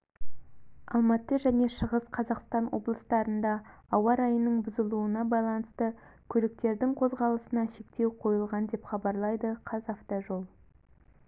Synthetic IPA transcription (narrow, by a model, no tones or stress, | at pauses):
ɑlˠmɑt̪əʒæne̞ʃəʁəsqʰɑzɑqst̪ɑnwo̞̰blˠəst̪ɑɾənd̪ɑːwɑɾɑjənːəɴbʊzəlˠuənɑbɑjlˠɑnəst̪əkʲʰɵlɪk̚t̪e̞ɾd̪ɪŋqʰo̞zʁɑlˠəsənɑʃe̞kt̪e̞wqʰo̞jəlˠʁɑnd̪e̞pχɑbɑɾlˠɑjd̪əqʰɑzɑft̪oʒo̞lˠ